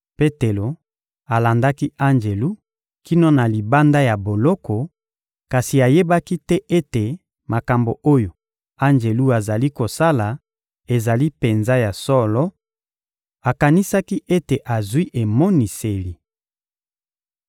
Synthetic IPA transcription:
pe˦te˨lo˨ | a˨la˨nda˦ki˦ʔa˦nd͡ʒe˨lu˦ | ki˦no˦na˨li˨ba˦nda˦ja˨bo˨lɔ˦kɔ˨ | ka˨si˨a˨je˦ba˦ki˦tɛ˦ʔe˦te˨ | ma˨ka˨mbo˨ʔo˦jo˨ | a˦nd͡ʒe˨lu˦a˨za˨li˦ko˨sa˦la˨ | e˨za˨li˦pe˨nza˦ja˨sɔ˦lɔ˦ | a˨ka˨ni˦sa˦ki˦ʔe˦te˨ʔa˨zwi˦ʔe˨mo˦ni˨se˨li˨

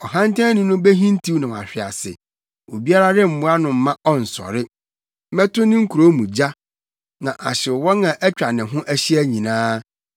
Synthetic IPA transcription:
ɔ˨ɦã˦n˦tʰã˦nʊ̃˦nʊ̃˦be˦ɦĩ˦n˦tʰi˦wnɪ̃˨wa̰˨ɕᶣɪ˨a̰˨sɪ̰˨ | o˨bi˦a˦ɾa˦ɾɪ˦m̩˨mʊ̃˦a˦nʊ̃˨m̩˦mã˦ʔɔ˦n̩˨sɔ̰˨ɾɪ˦ | mɛ˦tʰʊ˦nɪ̃˦ŋ̩˦kʰu˨ɾo˦mũ˨d͡ʑa˦ | nã˨ʔa̰˨ɕɪ˨wɔ˦nã˨ʔɛ˦t͡ɕᶣa˨nɪ̃˨ɦʊ̃˦ʔæ˦ɕi˦æ˦ɲĩ˨nãː˦

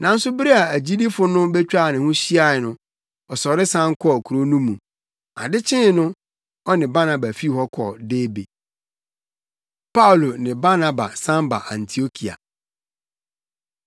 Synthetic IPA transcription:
nã˨n̩˦sʊ˦bɪ˦ɾe˦a˨æ˨d͡ʑi˦di˦fʊ˦nʊ̃˦bɛ˦t͡ɕᶣa˦˨nɪ̃˨hʊ̃˦ɕi˦a˦˨ɛ˨nʊ̃˦ | ɔ˨sɔ˨ɾɪ˦sã˦ŋ˦kʰɔ˦˨kʰu˨ɾo˦nũ˦mũ˨ | a̰˨dɪ˦t͡ɕʰɪ̃˦nʊ̃˦ | ɔ˦nɪ̃˨ba˦nã˨ba˨fi˦˨hɔ˦kʰɔ̰˨deː˦be˨ | pʰa˦ʊ˨lo˨nɪ̃˨ba˦na˨ba̰˨sã˦mba̰˨ʔã˨ntʰi˨o˦kʰi˨a̰˨

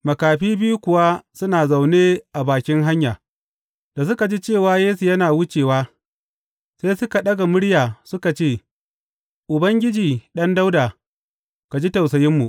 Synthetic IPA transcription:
mɐ˨kaː˨ɸiː˦bɪ˦ju˦kʷʊ˨wa˦sʊ˦naː˨za˨wneː˦ʔa˨baː˨kʲɪ˦ŋɦa˦ɲjaː˨ | d̥a˨sʊ˦ka˨d͡ʒi˦t͡ʃeː˦˨waː˦jeː˦su˨jɐ˦naː˨wʊ˦t͡ʃeː˨waː˦ | sa˦jsʊ˦ka˨ɗɐ˦ɡa˨mʊ˦ɽjaː˨sʊ˦ka˨t͡ʃeː˦˨ | ʔʊ˨bɐ˦ŋɡʲɪ˦d͡ʒiː˨ɗɐ˦nda˦wdaː˨ | ka˨d͡ʒi˦ta˨wsɐ˨jɪ˦mːu˨ʔ

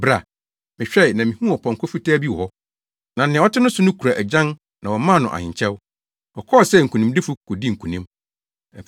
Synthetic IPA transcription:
bɾa˨ | mɪ̃˨ɕᶣɛ˦˨nã˨mĩ˨hũ˦ɔ˨pʰɔ̃˨ŋ˨kʰɔ˦fi˦tʰaː˦bi˦wɔ˦ | nã˨nɪ̃˨˦ɔ˦tʰɪ˦nʊ̃˦sʊ˦nʊ̃˦kʰu˨ɾa˨ʔæ˨d͡ʑã˦n | nã˨wɔ˨mã˦˨nʊ̃˨ʔa̰˨hɪ̰̃˨ɲ˨t͡ɕʰɛ˦w | ɔ˨kʰɔ˦˨sɛ˦˨ŋ̩˨kʰũ˨nĩ˨mdɪ˦fʊ˦kʰɔ˨di˦ŋ̩˨kʰu˨nĩ˦m | ɛ˨

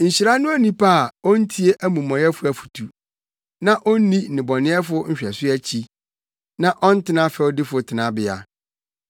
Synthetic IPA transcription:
ɲ̩˨ɕi˨ɾa˦nʊ̃˦æ˦nĩ˦pʰa˦˨ɔ˦n̩˦tʰi˦e˦ʔæ˦mũ˨mɔ̃˨jɛ˦fʊ˦æ˨fu̥˨tʰu˨ | nã˦ʔɔ˦nĩ˦˨nɪ̃˨bɔ˨nɪ̃˦ɛ˦fʊ˦ɲ̩˦ɕᶣɛ˨sɪ˦æ˦t͡ɕʰi˦ | nã˦ʔɔ˦n̩˦tʰɪ˦nã˦fɛ˨ɔ˦dɪ˦fʊ˨tʰɪ˨nã˦bɪ˨a̰˨

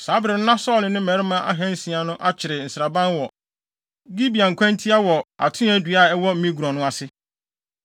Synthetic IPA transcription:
saː˨˦bɾɪ˨n̩˦nã˦sɔː˦˨lɪ̃˨nɪ̃˦mɛ˨˦ɾɪ˦mã˦ʔa̰˦ɦɛ̃˦n̩˦sĩ˨a˨nʊ̃˦ʔa˦t͡ɕʰɪ˨ɾɪ˨n̩˨sɾa˨bã˦nwɔ˨ | ɡi˦bi˨ã˨ŋ̩˨kʰʷã˦ntʰi˦a˦wɔ˨a̰˨tʰʊ̃˦ɛ̃˦dɥa˦˨ɛ˦wɔ˦m̩˦mĩ˦ɡu˨ɾɔ̃˨nʊ̃˦a˨sɪ˦

